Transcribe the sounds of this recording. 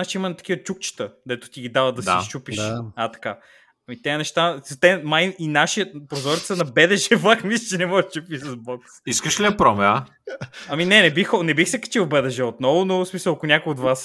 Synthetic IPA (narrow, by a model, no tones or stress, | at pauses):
at͡ʃɛimɐnt̪ɐ̥k̟ivət͡ʃukt͡ʃi̥t̪əd̪ɛt̪ʊ̥t̪iɡid̪avəd̪d̪ɐsɛa̰t͡ʃupiʃat̪ɐ̥ka | ɐmit̪ɛənɛʃt̪azɐt̪ɛmajʔinaʃiəpɾozɔɾit̪sənɐbɛd̪ɛʒɛblˠaxmist͡ʃɛnɛmɔɡət͡ʃupiʃsɐzbɔksiskəʃlʲiɐpɾɔmɛa | ɐminɛnɛbixɔnɛbixsɛkɐ̥t͡ʃiwˠbɛd̪ɛʒɛot̪nɔvʊnosmisəlˠɐkʊnʲakojod̪vas